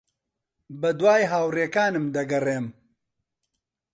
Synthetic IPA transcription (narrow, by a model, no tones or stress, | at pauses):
bɐd̪waːjɦaːwreːkaːnɨmd̪ɐɡɐreːm